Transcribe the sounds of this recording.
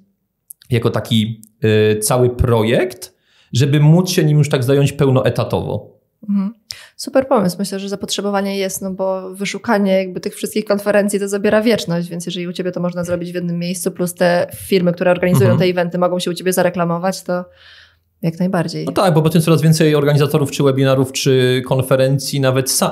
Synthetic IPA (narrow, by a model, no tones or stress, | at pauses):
jakɔt̪akʲi | t̪sawɘpɾɔjɛkt̪ | ʐɛbɘmut̪sɕɛɲimjuʂt̪aɡzajɔɲt͡ɕpɛwnɔʔɛt̪at̪ɔ̰vɔ̰ | m̩mm̩supɛɾpɔmɘswmɘɕlɛʐɛzapɔtʂɛbɔvaɲɛjɛst̪nɔbɔvɘʂukaɲɛjaɡ̚bɘt̪ɘxfʂɘst̪kʲixkɔnfɛɾɛnt̪sʲjit̪ɔzabʲjɛɾavʲjɛt͡ʂnɔɕt͡ɕvʲjɛntsjɛʐɛlʲiut͡ɕebʲɛt̪ɔmɔʐnazɾɔbʲid͡ʑvjɛd̪nɘmːjejst̪uplust̪ɛfʲiɾmɘk̚t̪uɾɛɔɾɡaɲizzujɔ̃wt̪ɛivɛnt̪ɘmɔɡɔ̃w̃ɕɛut͡ɕebʲjɛzaɾɛklamɔvat͡ɕt̪ɔ | jaknajbaɾd͡ʑejɔt̪aɡ̚bɔbɔt̪ɛmt̪sɔɾazvʲjɛnt̪sɛjɔɾɡaɲizat̪ɔɾuft͡ʂɘwɛbʲinaɾuft͡ʂɘkɔnfɛɾɛnt̪sʲjinavɛt̪sa